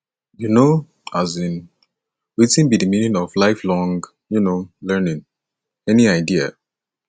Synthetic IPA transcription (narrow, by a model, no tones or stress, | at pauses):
juno | azĩn | witĩnbidiminĩnɔvlaɪflɔ̃ŋɡ | junolɛnĩn | ɛniaɪdia̰